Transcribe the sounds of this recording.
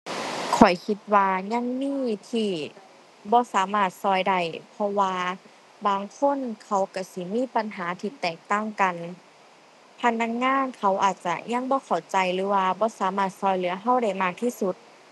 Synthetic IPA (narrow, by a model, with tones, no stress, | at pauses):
kʰɔ˨˩jkʰi˧t̪̚waː˧ɲa˧˥˨ŋmiː˧˥˨wi˧˩t̪ʰiː˧˩ | bɔː˧˦saː˨˩˦maː˧˩t̪̚sɔː˧˩jda˧˩jpʰɔ˧waː˧ | baː˨˧ŋkʰo˧˥˨nkʰa˧˩wka˧˩si˧˦miː˧˥˨pa˧nɦaː˨˦t̪ʰiː˧˨t̪ɛː˨˩k̚t̪a˧˥˩ŋka˨n | pʰa˧˥nːa˧˥k̚ŋaː˧˥˨nkʰa˧˩wʔa̰ː˨˩t̪̚t͡ɕa˧ɲa˧˥˨ŋbɔː˧˦kʰa˨˩wt͡ɕa˨˧jlɯː˨˦waː˧bɔː˧˦saː˨˦maː˧˩t̪̚sɔː˧˩jlɯː˨˩˦ɐɦa˧˩wda˧˩jmaː˧˩k̚t̪ʰiː˧˨su˧˦t̪̚